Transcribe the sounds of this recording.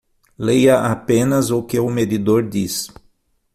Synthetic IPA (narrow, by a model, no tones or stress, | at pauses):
lejɐʔapẽnɐzʊkɪʊmed̪id̪oɾd̪is